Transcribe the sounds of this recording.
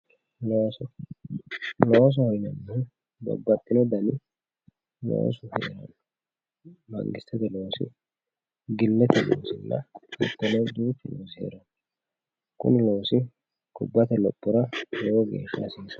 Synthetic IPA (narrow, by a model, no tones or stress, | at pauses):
loːsɔ | loːs̬ɔhɔjnɐnːʊ | bɐ̰bːɐtʼːɪnɔd̪ɐnɪ | lo̰ːsʊhɛʔɛɾɐ̰n | mɐ̰ŋɡɪst̪ːɛt̪ɛlo̞ːsɪ̰ | ɡɪlːɛt̪ɛlo̰ːsɪlːɐ̰ɛt̪ːɔnɛd̪uːpːɪloːsɪhḛːɾɐn | kʊ̰nɪlo̞ːsɪ | kʊbːɐt̪ɛlɔ̰pʼːʊɾɐlɛwɔɡe̞̰ːʃːɐ̰siːs